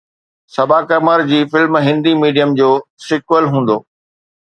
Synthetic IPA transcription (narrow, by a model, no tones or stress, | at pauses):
sɐbʱaːkɐmaːɾd͡ʑiːfɪlmɦɪ̃nd̪imiːɖijəmd͡ʑoːsɪkwəlɦũːn̆d̪oː